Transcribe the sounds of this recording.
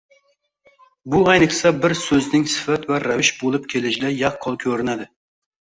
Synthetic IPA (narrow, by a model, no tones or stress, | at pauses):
bʊɛjnɨqsɛbɪɾsɵznɪŋsɪ̥fæt̪væɾavɪʃbolˠɨpkʲʰelɪʃlɪjɑχqʰːɑlˠkʲʰɵɾɪnæd̪ɪ